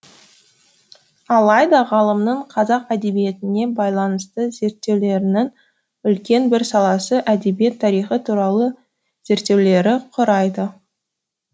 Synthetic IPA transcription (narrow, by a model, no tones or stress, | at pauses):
ɑlˠɑjd̪ɑʁɑlˠəmnəɴqʰɑzɑqæd̪e̞bije̞t̪ɪne̞bɑjlˠɑnəst̪əze̞ɾt̪ːe̞wle̞ɾɪnɪŋ | ʏlkʲe̞nbɪɾsɑlˠɑsəʔæd̪e̞bije̞t̪ʰːɑɾijχət̪ʰuɾɑlˠə | z̥e̞ɾt̪ːe̞wle̞ɾɪqʰʊɾɑjd̪ə